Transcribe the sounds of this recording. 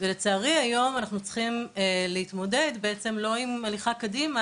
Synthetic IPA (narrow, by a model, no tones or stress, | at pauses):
velet͡saːʁiajo̞manaχnut͡sχimelehitmo̞de̞dbeet͡se̞mlo̞imaliχakodima